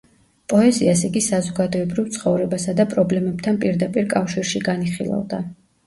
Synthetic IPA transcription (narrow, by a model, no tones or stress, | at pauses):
pʼɔɛziasiɡisazɔɡad̪ɔɛbɾivt̪sʰχɔvɾɛbasad̪apʼɾɔblɛmɛb̥t̪ʰanpʼiɾd̪apʼiɾkʼafʃiɾʃiɡaniχilˠa̰vd̪a